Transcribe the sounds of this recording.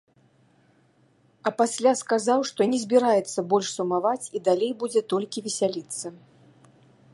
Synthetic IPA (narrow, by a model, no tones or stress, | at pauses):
ɐpasʲlʲaskazawʂt̪ɔnʲɛzʲbʲiɾajɛt̪sːɐbɔlʲʂsumavat͡sʲid̪alʲejbud͡zʲɛt̪ɔlʲkʲivʲɛsʲalʲit̪sːɐ